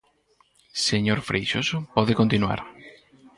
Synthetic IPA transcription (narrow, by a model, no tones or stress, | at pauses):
seɲoɾfɾʔejʃosʊpɔðɪkont̪inwa̰ɾ